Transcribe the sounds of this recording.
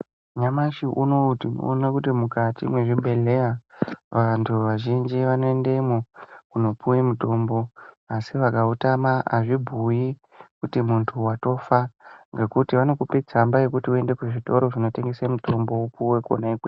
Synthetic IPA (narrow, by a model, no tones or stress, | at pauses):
ɲamaʃiʔuno̞utḭo̰nekutimukatḭmwe̞ʐibʱe̞le̞jaʋantʰuʋaʒind͡ʒiʋano̞e̞ndemokuno̞pujimuto̞mbo̞ | asiʋakautamaa̰ʐibʱuji | kutimuntʰuwato̞faŋɡe̞kutiʋano̞kupet͡sambaje̞kutiue̞nde̞kuʐito̞ɾo̞ʐino̞te̞ŋɡesemuto̞mbo̞upuwe̞ko̰naikwe